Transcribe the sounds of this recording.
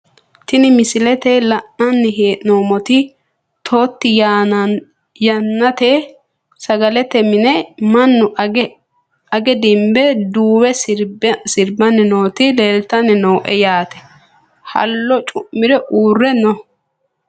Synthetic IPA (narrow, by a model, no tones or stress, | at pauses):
t̪ɪnɪmɪsɪlɛt̪ɛlɐʔːɐnːɪɦeːʔnoːmɔt̪ɪ | t̪ʰoːt̪ːɪj | jɐnːɐt̪e | sɐɡɐlɛt̪ɛmɪnɛmɐnːʊ | ɐɡɛd̪ɪmbɛd̪uːwɛ | sɪɾbɐnːɛno̞ːt̪ɪleːlt̪ɐnːɪnoːʔɛjaːt̪ɛ̥ | hɐ̰lːɔt͡ʃʼʊʔːɪɾɛʔuːrːɛnɔ